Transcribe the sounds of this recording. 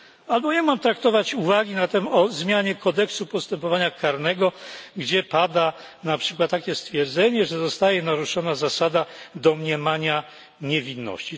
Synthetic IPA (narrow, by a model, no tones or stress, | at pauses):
albɔɲamamt̪ɾak̚t̪ɔvat͡ɕuvaɡʲinat̪ɛmɔzmʲjaɲɛkɔd̪ɛksupɔst̪ɛmpɔvaɲakaɾnɛɡɔɡd͡ʑɛpad̪a | napʂɘ̥kwat̪ːakʲjɛst̪fʲjɛɾd̪zɛɲɛʐɛzɔst̪ajɛnaɾuʂɔnazasad̪ad̪ɔmɲɛmaɲa | ɲɛvʲinːɔ̰ɕt͡ɕi